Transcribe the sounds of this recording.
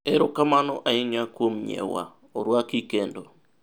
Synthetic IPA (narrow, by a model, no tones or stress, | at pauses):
ɛɾʊkamanɔʔaɪɲakwomɲɛ̰wa̰ | oɾwakikendo